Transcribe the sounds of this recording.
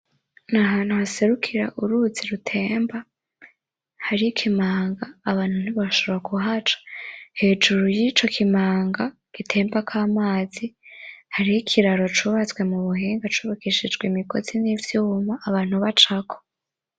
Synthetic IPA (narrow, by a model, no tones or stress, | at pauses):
naɦaːn̥huhase̞ɾukʰiɾa̰ʔuɾuziɾutʰe̞ːmba | haɾijikʰimaːŋɡaːβaːnhun̥iβaʃooɾakuɦat͡ʃḁhe̞ːd͡ʒuɾujit͡ʃo̞kʰimaːŋɡa | ɡ̥itʰe̞ːmbakʰaːmaːzihaɾijikʰiɾaɾo̞t͡ʃuβat͡swe̞muβuɦeːŋɡat͡ʃuːβakiʃid͡ʒɡwemiko̞zinivjuːmaʔːβaːn̥huβat͡ʃakʰo̥